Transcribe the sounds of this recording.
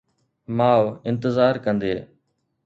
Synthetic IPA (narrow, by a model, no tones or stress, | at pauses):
maːʋɪ̃nt̪əzaːɾkə̃nd̪eː